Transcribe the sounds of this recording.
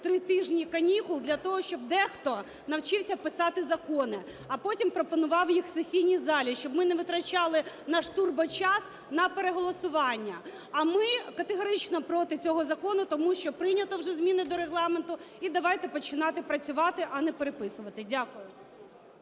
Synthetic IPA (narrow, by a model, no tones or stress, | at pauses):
t̪ɾɪt̪ɪʒnʲijkɐnʲikʊlˠd̪lʲɐt̪ɔɦɔʃt͡ʃɔb̚d̪ɛxt̪ɔ | nɐwt͡ʃɪwsʲɐpɪsɑt̪ɪzɐkɔnɪ | ɐpɔtʲimpɾɔpɔnʊʋɑwjixsesʲijnʲizɑlʲiʃt͡ʃɔbmɪnɛʋɪt̪ɾɐt͡ʃɑlˠɪ | nɑʃt̪urbɐt͡ʃɑs | nɐpeɾeɦɔlˠɔsʊʋɑnʲːɐ | ɐmɪkɐt̪eɦɔɾɪt͡ʃnɔpɾɔt̪ɪt͡sʲɔɦɔzɐkɔnʊt̪ɔmuʃt͡ʃɔpɾɪnʲɐt̪ɔwʒɛzmʲinɪd̪ɔɾeɦlˠɑment̪ʊid̪ɐʋɑjt̪ɛpɔt͡ʃɪnɑt̪ɪpɾɐt͡sʲʊʋɑt̪ɪʔɐnɛpeɾepɪsʊʋɐt̪ɪdʲakʊjʊ